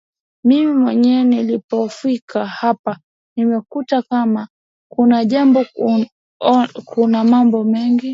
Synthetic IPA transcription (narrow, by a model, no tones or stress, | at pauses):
mimimwɛɲɛːnilipɔfikʰahapa | nimɛkutakama | kunaʄambɔ | kunamambɔmɛŋɡi